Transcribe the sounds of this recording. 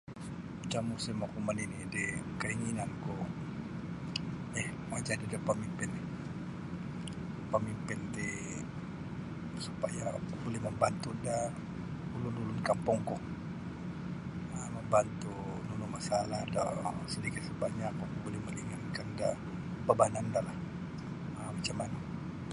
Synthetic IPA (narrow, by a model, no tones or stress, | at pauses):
t͡ʃamusɪmakuməninidikəiŋinanku | ɛh | mad͡ʒadidɔpəmimpɪn | pəmimpɪndi | supajabolɛhməmbant̪unda | ulululʊnkampʊŋku | əməmbant̪unulumasaladɔ̰sədikɪt̪̚səbaʔɲakubolɛhməliŋankanda | pəbanandalah | əmat͡ʃamːana